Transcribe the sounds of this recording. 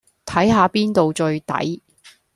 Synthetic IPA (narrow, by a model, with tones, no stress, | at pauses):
t̪ʰɐ˨˥jɦaː˨˧piː˥nt̪o˨wt͡ʃɵ˧ɥt̪ɐ̰˨˥j